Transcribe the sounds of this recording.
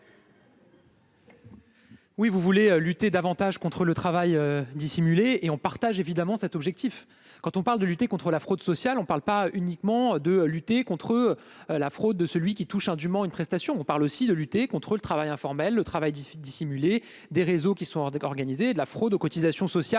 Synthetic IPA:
wivuvuleølyt̪ed̪avɑ̃t̪aʒkɔ̃t̪χələt̪χavajød̪isimyleːɔ̃paʁt̪aʒevid̪amɑ̃sɛt̪ɔbʒɛk̚t̪if | kɑ̃t̪ɔ̃paʁld̪əlyt̪ekɔ̃t̪χəlafχod̪sɔsjalɔ̃paʁlpaʔynikmɑ̃d̪əlyt̪ekɔ̃t̪χəlafχod̪̚ːəsəlɥikʲit̪uʃɛ̃d̪ymɑ̃ynpχɛst̪asjɔ̃ːpaʁlosid̪əlyt̪ekɔ̃t̪χələt̪χavajɛ̃fɔʁmɛlːət̪χavajd̪isimyle | d̪eʁezokʲisɔ̃ɔʁɡanized̪əlafχod̪okɔt̪izasjɔ̃sɔsja

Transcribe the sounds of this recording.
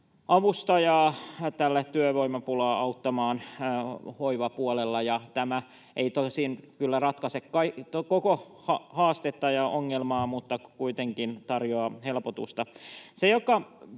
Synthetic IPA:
ʔɑʋust̪ɑjɑt̪ælːæt̪yøʋoimɑpulɑːɑut̪ːɑmɑːn | hoiʋɑpuolelːɑjɑt̪æmæ | ʔeit̪osinkylːærɑt̪kɑsekkɑit̪okoko | hɑhɑːst̪et̪ːɑjɑʔoŋːelmɑːmut̪ːɑkuit̪eŋkint̪ɑrjoɑhelpot̪ṵst̪ɑsejokɑ

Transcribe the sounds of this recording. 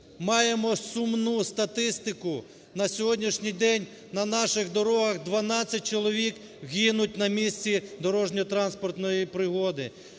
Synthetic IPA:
mɑjemɔsʊmnust̪ɐt̪ɪst̪ɪkʊ | nɐsʲɔɦɔdʲnʲiʃnʲijd̪ɛnʲ | nɐnɑʃɪɣd̪ɔɾɔɦɐɣd̪ʋɐnɑt͡sʲːɐt̚ʲt͡ʃɔlˠɔʋʲik | ɦʲinʊtʲnɐmʲisʲt͡sʲid̪ɔɾɔʒnʲɔt̪ɾɑnspɔrt̪nɔjipɾɪɦɔd̪ɪ

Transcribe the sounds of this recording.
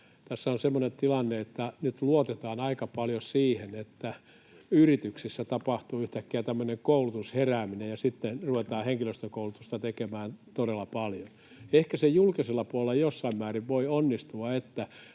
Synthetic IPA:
t̪æsːæonsemːonent̪ilɑnːeet̪ːænyt̪luot̪et̪ɑːnɑikɑpɑljosiːhenet̪ːæ | yrit̪yksisːæt̪ɑpɑht̪uːyht̪ækːeæt̪æmːøneŋkoulut̪usheræːminejɑsit̪ːenruʋet̪ɑːheŋkiløst̪økoulut̪ust̪ɑt̪ekemæːnt̪oɾelːɑpɑljon | ehkæsejulkiselːɑpuolelːɑjosːɑimmæːriʋʋoionːist̪uɑet̪ːæ

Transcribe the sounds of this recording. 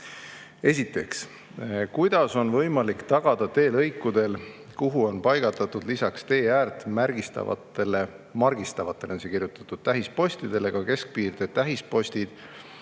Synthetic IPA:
e̞s̬ʲit̪ːˑe̞ks | kujd̪̥ɑso̞nvɤjmɑlikt̪ɑɡ̥ɑd̪̥ɑt̪e̞ːlɤjkːˑud̪̥e̞l | kuɦuo̞npɑjɡ̥ɑt̪ːˑɑt̪ud̪̥lisɑkst̪e̞ːæːrt̪ːˑmærɡ̥ist̪ɑ̰ɑ̰t̪ːele | mɑrɡist̪ɑvɑt̪ːˑe̞lensekirjut̪ˑɑ̥t̪ːˑud̪̥̚t̪æɦispo̞sʲt̪id̪̥e̞le̞ɡ̥ɑke̞sk̚piːrd̪̥e̞t̪æɦispo̞sʲt̪id̪̥

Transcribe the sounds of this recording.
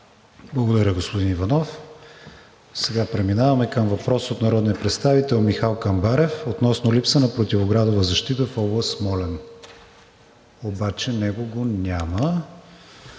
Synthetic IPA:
blˠɐɡod̪ɐɾʲəɡospod̪inivɐnɔf | sɛɡapɾɛminavɐmɛkəmvɐpɾɔsot̪nɐɾɔd̪nijəpɾɛt̪st̪avit̪ɛlˠmixalˠkɐmbaɾɛfot̪nɔsnolipsənɐpɾot̪ivoɡɾad̪ovəzɐʃt̪it̪əfɔblˠəst̪mɔlɛn | obat͡ʃɛnɛɡoɡonʲamə

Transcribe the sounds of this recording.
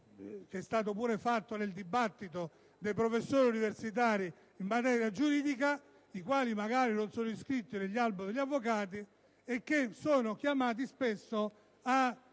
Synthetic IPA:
k̟ɛst̪aːt̪̬opuːɾefat̪ːoneld̪ibat̪ːit̪o | d̪ejpɾofesːoːɾiuniversit̪̬aːɾi | imːat̪ɛːɾjad͡ʒuɾiːd̪ik̬a | ikwaːlimaɡaːɾinonsɔːnoiskɾit̪ːineʎːalbed̪eʎːavːok̬aːt̪̬i | ekːesoːnokjamaːt̪̬ispesːo | a

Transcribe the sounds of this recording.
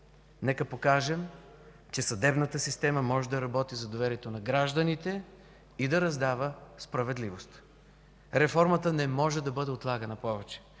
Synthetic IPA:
nɛkəpokaʒɛm | t͡ʃɛsɐd̪ɛbnət̪əsist̪ɛməmɔʒɛd̪ɐɾɐbɔt̪izɐd̪ovɛɾiɛt̪onɐɡɾaʒd̪ənit̪ɛ | id̪ɐɾɐzd̪avəspɾɐvɛd̪livost̪ | ɾɛfɔɾmət̪ənɛmɔʒɛd̪ɐbɤd̪ɛot̪lˠaɡɐnɐpɔvɛt͡ʃɛ̥

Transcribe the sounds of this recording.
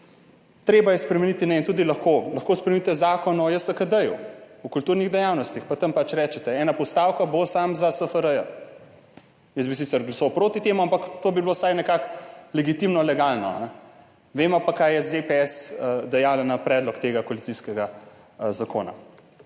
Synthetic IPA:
t̪ɾeːbajɛspɾɛmɛnit̪inɛint̪uːd̪ilɐxkolɐxkoːspɾɛmnit̪ɛzaːkɔnɔjəsəkəd̪əjuɔkult̪uːɾniɣd̪ɛjawnɔst̪ixpat̪ɐmpat͡ʃɾɛːt͡ʃɛt̪ɛɛːnapɔst̪awkabosamzasəfəɾəjə | jəsbis̬it̪sɛɾɡlɐsɔwpɾoːt̪it̪eːmuampakt̪oːbiblosajnɛkaklɛɡit̪imnɔlɛɡaːlnɔ̰a̰nɛ | ʋeːmɔpakajɛzepeɛsd̪ɛjaːlanapɾɛːd̪lɔkt̪eːɡakɔalit̪siskɛɡa | zako̰ːna̰

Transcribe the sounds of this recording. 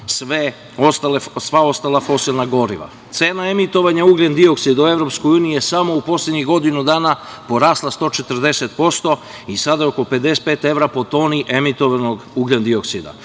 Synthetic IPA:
sʋe | ost̪alesʋao̞st̪alˠafo̞silˠnaɡo̞ɾiʋa̰ | t̪seːnae̞mit̪o̞ʋaɲauːɡʎʲend̪io̞ksid̪aue̞vɾo̞pskojuːniijesamo̞upo̞slʲed̪ɲiɣɡo̞d̪inud̪aːna | po̞ɾaːslˠast̪o̞t͡ʃet̪əɾd̪e̞set̪po̞st̪o̞ | isad̪ajeo̞kope̞d̪es̚pe̞ːt̪e̞ʋɾapo̞t̪o̞ːniʔe̞mit̪o̞ʋano̞ɡuːɡʎʲend̪io̞ksid̪a̰

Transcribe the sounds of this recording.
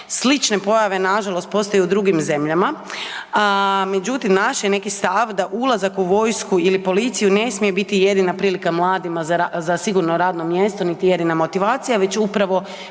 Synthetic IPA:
slit͡ʃne̞po̞jaʋe̞naʒalo̞st̪̚po̞st̪ajuud̪ɾuɡimze̞mʎama | me̞d͡ʑut̪imnaʃjene̞kist̪aʋd̪aʔulˠazakuʋo̞jskuilipo̞lit̪sijune̞smijebit̪ije̞d̪inapɾiːlikamlˠaːd̪imaazasiɡuɾnoɾaːd̪nomje̞st̪o̞nit̪ije̞d̪inamo̞t̪iʋaːt̪sijaʋe̞t͡ɕupɾaʋo̞

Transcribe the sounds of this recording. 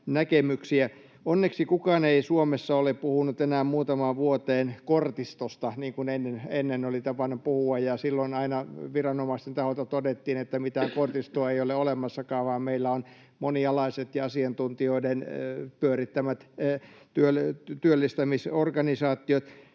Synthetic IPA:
nækemyksiæ | onːeksikukɑːneisuomesːɑoleppuhunut̪enæːmmuːt̪ɑmɑːʋʋuot̪eːnkort̪ist̪ost̪ɑniːŋkunenːenenːenolit̪ɑpɑnːupuhuɑjjɑsilːoinɑinɑʋirɑnomɑist̪ent̪ɑhot̪ɑt̪odet̪ːiːnet̪ːæmit̪æːŋkort̪ist̪oɑeioleolemɑsːɑkɑːʋʋɑːmmeilːæon | moniɑlɑiset̪jɑɑsiɑnt̪unt̪ioidenpyørit̪ːæmæt̪t̪yølt̪yølːist̪æmisorkɑnisɑːt̪ːˑiot̪

